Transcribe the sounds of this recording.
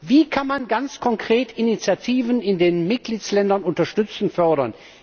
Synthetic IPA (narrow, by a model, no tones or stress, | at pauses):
viːkʰanmanɡant͡skʰɔŋkʁ̥eːtʰinit͡sjatʰiːvənɪndeːnmɪt̚ɡ̥liːtslɛndɐnʊntɐʃtʏt͡sn̩fœɐɾɐn